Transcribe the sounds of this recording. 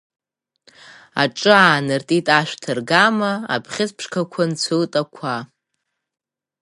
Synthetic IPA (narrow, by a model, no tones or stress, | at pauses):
a̰ʈ͡ʂʼɨaːnɨrtʼitʼaʃᶣʷtʰɨrɡamaa̰pʰχʲɪt͡spʰʂkʰakʷʰant͡sʷʰɨltʼakʷʰa